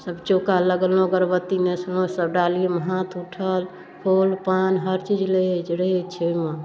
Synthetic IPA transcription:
səbt͡ʃokaləɡəlõɡəɾbət̪ːineslõsəbɖaliməɦãt̪ʰuʈʰəl | pʰolpanɦəɾt͡ʃid͡ʒled͡ʒɽet͡ʃʰema

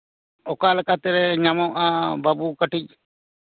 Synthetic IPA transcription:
ɔkalɛkat̪ɛɾɛɲamɔʔababukəʈic̚

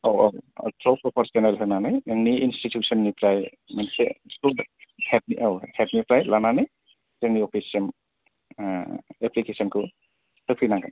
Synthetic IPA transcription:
owɔw̰tʰɾɔpɾɔpʰɔɾsɔnelɦɯnanajeŋniinstitʰjusɔnːipʰɾaj | mansɛsuhɛt̚niʔɔwhɛt̚nipɾajlananaj | tɛŋniɔpʰisɛm | ɛplikesɔnkʰɯ | sɯpʰinaŋɡan

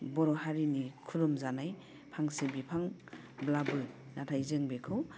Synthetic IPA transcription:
bɔɾɔɦaɾinikʰuɾɔmzanaj | pʰaŋsebipʰaŋ | blabɯ | natʰajzeŋbekʰɯw

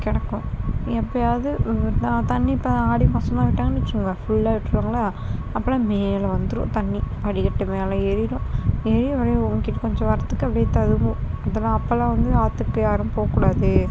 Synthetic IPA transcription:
kɛɽɐkːʊ̃ɛpːɐjaːðɯãt̪ɐɳːipːɐaːɽimɐsɐmaːʋɪʈːaːŋɡɐnɪt͡ʃːɯŋɡɐfʊɭːaːʋɪʈːɾɯkːaːŋɡɐlaː | ɐpːɐlãːmeːlɐʋɐnd̪ɯɾʊ̰̃t̪ɐɳːipɐɽɪkɐʈːɯmeːlɐ̃ɛɾɪɾʊ̃ɛɾɪʋɐɾɐjʊŋkɪʈːɐkɔɲd͡ʒɔ̃ʋɐɾɐt̪ːɯkːɯɐpɐɽɐjɐt̪ɐðɯʋʊ̃ɐðɐlãːɐpːɐlãːʋɐnd̪ɯaːt̪ːɯkːɯjaːɾɯ̃mpoːɐkːuːɽaːðɯ

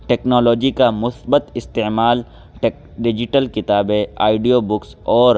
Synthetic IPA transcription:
ʈɛːknɔːlɔːd͡ʒikamʊsbət̪ɪst̪eːmaːl | ʈek | ɖɪd͡ʒɪʈəlkɪt̪aːbeaːɪɖijobʊksɔːɾ

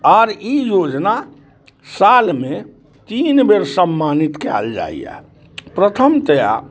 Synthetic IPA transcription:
ɔːɾijod͡ʒna | salmẽ | t̪iːnbeɾsəmːanit̪kɛ̰ld͡ʒa̰ḭjɛ̰ | pɾət̪ʰəmt̪əja̰

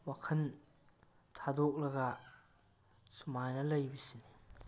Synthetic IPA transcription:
wakʰɐn | tʰadok̚ɾɐɡa | sumajnɐlɐjbisini

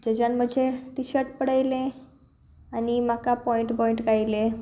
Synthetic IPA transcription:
d͡ʑəd͡ʑanməd͡ʑʱeʈiɕəʈ̚pəɽajlẽ | animakapɔiɳʈpɔiɳʈɡajle

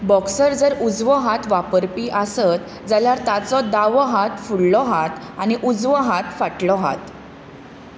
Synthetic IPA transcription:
bɔksəɾd͡zəɾud͡zʋəɦat̪ʋapəɾpiːʔasət̪ | d͡zaljaɾt̪at͡sɔd̪aʋɔɦat̪fuɽlɔɦat̪ | añiʔud͡zʋəɦat̪faʈlɔɦa̰t̪

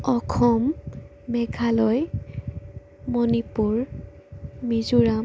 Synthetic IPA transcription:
ɔkʰɔmː | ɛɡʱalɔj | monipuɹ | mizuɹam

